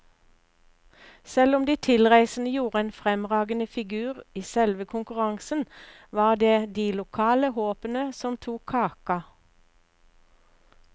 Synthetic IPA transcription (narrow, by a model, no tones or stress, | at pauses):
sɛlʊmd̪iːt̪ʰɪlʁæɪsn̩əjuːʁəeːnfʁɛmʁɑːɡənəfɪɡʉːʁiːsɛlʋəkʰʊŋkʉʁɑŋsən | ʋɑːʁd̪eːd̪iːlʊkʰɑːləhoːpənəsɔmt̪ʰuːkʰːɑːkɑ